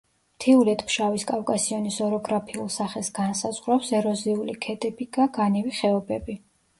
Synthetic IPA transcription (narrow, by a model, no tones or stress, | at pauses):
mt̪ʰiuɾɛt̪ʰʼpʰʃaviskʼafkʼasiɔnisɔɾɔɡɾapʰiulˠsaχɛsɡansazʁɾapsɛɾɔziulikʰɛd̪ʼɛbiɡaɡ̥aniviχɛɔbɛbi